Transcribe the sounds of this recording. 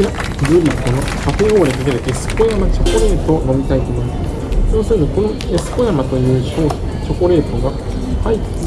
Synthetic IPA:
a | ɾɯɾʲiko̞nokapɯɦoːd̪ek̪ek̪eɾɯʔe̞sɨ̥ko̞jamat͡ɕo̞ko̞ɾe̞ːt̪o̞no̞mʲit̪ait̪omom | sɨnosɯɯd̪oko̞no̞ | e̞sɨ̥ko̞jamat̪o̞jɯ̟ːɕo̞̥ː | t͡ɕo̞ko̞ɾe̞ːt̪o̞ɡa | hai

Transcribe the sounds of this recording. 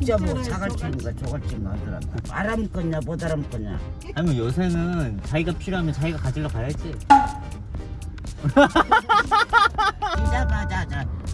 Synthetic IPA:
t͡ɕ͈amʌt͡ɕʰaɣaɭt͡ɕ͈ʰinɡat͡ɕʌɡaɭt͡ɕ͈inmandɯɾa̰mda̰pa̰ɾamk͈ʌɲapʌdaɾamk͈ʌɲa̰ | aɲimʌnjosʰenɯnt͡ɕaiɡapʰiɾoɦamjʌnt͡ɕaiɡakad͡ʑiɭːʌkaɾat͡ɕ͈i | id͡ʑabad͡ʑad͡ʑa

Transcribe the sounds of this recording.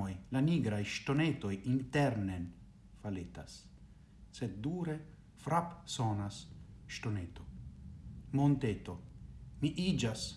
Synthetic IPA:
ojlaniɡɾajʃt̪onet̪ojint̪ɛɾnen | falet̪as | sed̪̚d̪uːɾe | fɾapsonasʃt̪onet̪o | mont̪et̪omiʔid͡ʒas

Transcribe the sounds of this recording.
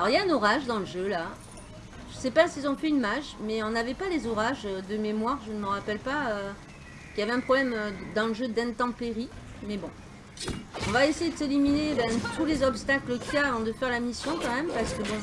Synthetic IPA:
alɔʁljaɛ̃nɔʁaʒd̪ɑ̃ləʒøla | ʒ̥əsɛpasiɛlzɔ̃fɛynmaʒmɛɔ̃navɛpalezɔʁaʒød̪əmemwaʁʒənəməʁapɛlpaø | kʲijavɛɛ̃pχɔblɛmød̪ɑ̃ləʒød̪ɛ̃t̪ɑ̃peʁi | mɛbɔ̃ | ɔ̰̃vaesejed̪əseliminebɛ̃t̪ulezɔpst̪akləkiaːvɑ̃d̪əfɛʁlamisjɔ̃kɑ̃mɛmpaʁsə̥kəbɔ̃

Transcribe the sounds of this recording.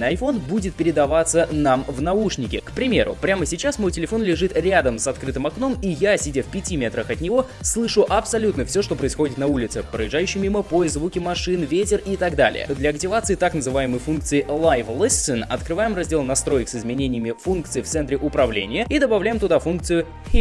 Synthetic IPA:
nəɐjfo̞nbudʲɪt̪̚pʲɪɾʲɪd̪ɐvat̪sːənamvnɐuʂnʲɪkʲɪkpɾʲɪmʲe̞̰ɾʊ̰pɾʲaməsʲɪt͡ɕasmo̞jtʲɪlʲɪfo̞nlʲɪʐɨt̪ɾʲad̪əmsɐt̪kɾɨt̪ɨmɐkno̞mijasʲɪdʲafpʲɪtʲimʲet̪ɾəxɐt̪nʲɪvo̞ | slˠɨʂʊʔɐpsɐlʲut̪nəfsʲoʂt̪o̞pɾəɪsxo̞dʲɪt̪nɐulʲɪt̪sɨpɾə̰jɪʐajʉɕːɪjmʲiməpojzvukʲɪmɐʂɨnvʲetʲɪrit̪aɡd̪a̰lʲɪ̰jə̰d̪lʲɐɐktʲɪvat̪sɨɪt̪aknəzɨvajɪməjfunk̚t̪sɨɪlˠajvlˠəsʲɨnɐt̪kɾɨvajɪmrɐzʲdʲe̞lˠnɐst̪ɾo̞jɪksɨzmʲɪnʲenʲɪjəmʲɪfunkt̪sɨɪft̪sɛnt̪ɾʲɪʔʊpɾɐvlʲḛnʲɪjəid̪əbɐvlʲæjɪmt̪ʊd̪afunk̚t̪sɨjʊ

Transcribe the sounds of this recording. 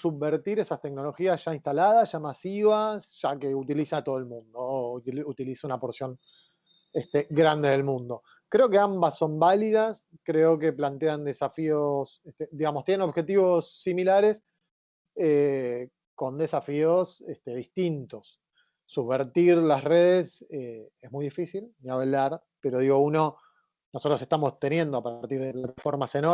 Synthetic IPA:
suββeɾt̪iɾesast̪e̞kno̞lo̞xiasʒ̥ainst̪alaðasʒ̥amasiβasʒ̥ake̞ut̪ilisat̪o̞ð̞elmũnd̪out̪ilisaunapo̞ɾsjo̞ŋ | est̪eɣɾand̪e̞ðe̞lmũnd̪o̞ | kɾe̞o̞k̬e̞ambasːo̞mbaliðas | kɾeo̞ke̞plant̪eand̪e̞safios | eht̪ed̪iɣamost̪jeneno̞βxe̞t̪iβo̞sːimilaɾe̞s | e | ko̞nd̪e̞safiosest̪eðist̪int̪o̞sː | uββeɾt̪iɾlasreð̞eseesmujðifisilniaβelaɾ | pe̞ɾo̞ð̞iɣo̞uno̞ | nosot̪ɾoseht̪amo̞st̪enje̞nd̪oapaɾt̪iɾðeplat̪afo̞ɾmaseno

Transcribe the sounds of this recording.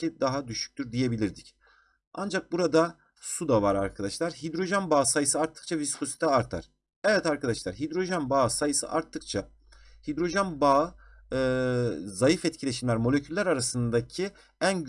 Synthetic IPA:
id̪aɦad̪yʃy̥c̚t̪yɾd̪ije̞bilʲiɾd̪ic | a̰nd͡ʒak̚buɾad̪a | sud̪avaɾaɾkʰad̪aʃlˠaɾɦid̪ɾo̞ʒanbaːsajɯsɯaɾt̪ʰːɯ̥k̚t͡ʃʰaviskʰo̞si̥t̪ʰɛaɾt̪ʰa̰ɾ̥ | ɛvɛt̪aɾkʰad̪aʃlˠaɾɦid̪ɾo̞ʒanbaːsajɯsɯ̰ʔaɾt̪ʰːɯk̚t͡ʃʰa | hid̪ɾo̞ʒænbaː | zajɯfɛt̪̚cʰilʲe̞ʃimlʲæɾmo̞lʲecʰylʲːæɾaɾasɯnd̪acʰi | æn

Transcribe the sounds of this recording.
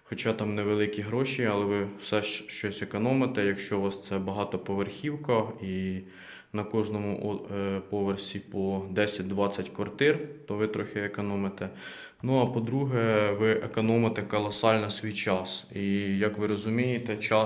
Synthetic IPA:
xɔt͡ʃɑt̪ɑmnɛʋelˠɪkʲiɦɾɔʃiɐlˠɛʋɪwsɛʃʃt͡ʃɔsʲekɔnɔmet̪ɛjɐkʃt͡ʃɔʋɑst̪sɛbɐɦɑt̪ɔpɔʋerxʲiwkɐi | nɐkɔʒnɔmʊʔpɔʋersʲipɔd̪ɛsʲɐt̚ʲd̪ʋɑt͡sʲːɐtʲkʋɐrt̪ɪrt̪ɔʋɪt̪ɾɔxʲɪekɔnɔmet̪ɛ | nuɐpɔd̪ɾuɦɛʋɪʔekɔnɔmɐt̪ɛkɔlˠɐsɑlʲnɐsʲʋʲijt͡ʃɑsijɐkʋɪɾɔzʊmʲijet̪ɛt͡ʃɑ

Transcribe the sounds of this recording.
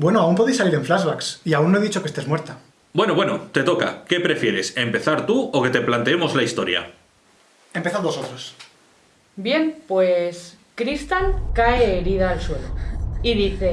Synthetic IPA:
bwe̞noaumpoðe̞jsːaliɾe̞ɱflazβaksiaunːoe̞ðit͡ʃo̞kest̪emwe̞ɾt̪a | bwe̞noβwe̞no̞t̪e̞t̪o̞ka̰ke̞pɾe̞fje̞ɾe̞se̞mpe̞θaɾt̪uoke̞t̪e̞plant̪eemo̞zlaist̪o̞ɾja̰ | e̞mpe̞θaðosot̪ɾos | bje̞mpwes | kɾist̪aŋkaeːɾiðaːlsweloiðiθe̞

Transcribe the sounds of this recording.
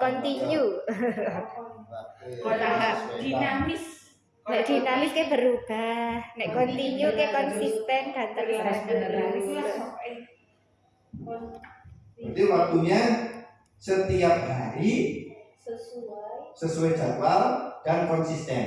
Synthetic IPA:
kɔnt̪iɲu | t̪aɦad̪̥inamɪs | nɛʔd̥̪inamɪskeb̥əɾub̥ahnɛʔkɔnt̪iɲukekɔnsist̪ɛnd̥a̤t̪ərd̥at̪ə | at̪iwak̚t̪uɲa | sət̪iap̚haɾi | ə | səsuɛ̥d͡ʒ̥a̤walkankɔnsist̪ɛn

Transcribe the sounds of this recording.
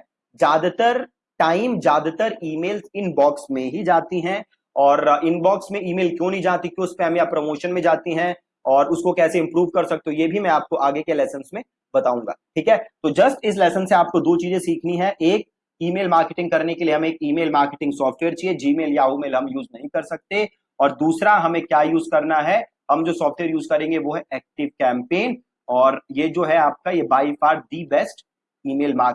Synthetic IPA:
d͡ʒjaːd̪t̪əɾ | ʈaːɪmd͡ʒjaːd̪t̪əɾiːmeːlzɪnbɔːksmẽɦid͡ʒaːt̪iɦɛ̃ | ɔːɾɪnbɔːksmẽiːmeːlkjõːnɐɦĩd͡ʒaːt̪ikjõːʊspɛːɐmjapɾomoːʃənmẽd͡ʒaːt̪iɦɛ̃ | ɔːɾʊskokɛːseɪ̃mpɾuːʋkɐɾsɐk̚t̪eojeːbʱimɛ̃aːp̚koʔaːɡekelɛːsənsmẽ | bɐt̪aːũːŋɡa̰ːʈʰiːkɦɛːt̪oːd͡ʒɐsʈɪs̬lɛːsənsẽaːp̚kod̪oːt͡ʃiːzẽsiːkʰniɦɛʔeːk̚ | iːmeːlmaːɾkeʈɪ̃ŋɡkɐɾnekelieɦɐmeːkiːmeːlmaːɾkeʈɪ̃ŋɡsɔːfʈʋeːəɾt͡ʃied͡ʒiːmeːljauːmeːlɦɐmjuːznɐɦĩkɐɾsɐk̚t̪e | ɔːɾd̪uːsɾaɦɐmẽkjaːjuːzkɐɾnaɦɛ | hɐmd͡ʒoːsɔːfʈʋeːəɾjuːzkɐɾẽːŋɡeʋoːɦɛʔɛːk̚ʈɪʋkɛ̃ːmpeːn | ɔːɾjed͡ʒoːɦɛaːp̚kajebaːifaːɾɖ̚ɖiːbɛsʈ | iːmeːlmaːɾ

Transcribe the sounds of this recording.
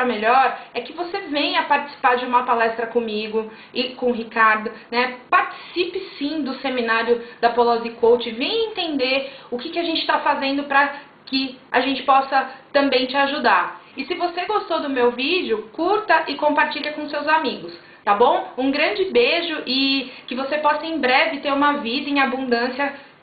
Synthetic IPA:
ɾɐmeʎɔɾɛkɪvosevẽj̃ɐpaɾt͡ʃɪ̥si̥paɾd͡ʒɪũmɐpalɛst̪ɾɐkõmiɡʊ | ɪkõɦikaɾd̪ʊnɛpaɾt͡ʃi̥sipɪsĩd̪ʊsemĩnaɾjʊd̪ɐpolɔzikowt͡ʃɪvẽj̃ɐẽt̪ẽnd̪eɾʊkɪkɪaʒẽnt͡ʃɪ̥t̪afazẽnd̪ʊpɾɐ | kɪa̰ʒẽnt͡ʃɪ̥pɔsɐt̪ɐ̃mbẽj̃t͡ʃɪaʒud̪aɾɪsɪvoseɡost̪od̪ʊmewvid͡ʒʊkuɾt̪ɐʔɪkõpaɾt͡ʃiʎɐkõʊsewzamiɡʊs | t̪abõũɡɾɐ̃d͡ʒɪbeʒʊʔɪkɪvosepɔsɐẽj̃bɾɛvɪt̪eɾũmɐvid̪ɐẽabũnd̪ɐ̃sjɐ

